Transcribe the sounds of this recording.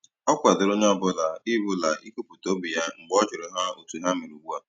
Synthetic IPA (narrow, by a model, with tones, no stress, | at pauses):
ɔ˦kʷa˨dʊ˨ɾo˦ɲe˦ɔ˦bʊ˦la˨i˦bʊ˦la˨ʔi˦ku˦pʊ˨to˦bi˨ja˦ŋ͡m̩˨ɡ͡bɔ˦t͡ʃɪ˨ɾɪ˨ɦa˦o˨tu˨ɦa˦mi˨ɾi˨wu˦a˦